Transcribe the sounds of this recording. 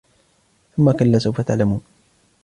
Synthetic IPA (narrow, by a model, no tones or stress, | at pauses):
θʊmːakalːaːsawfat̪aʕlamuːn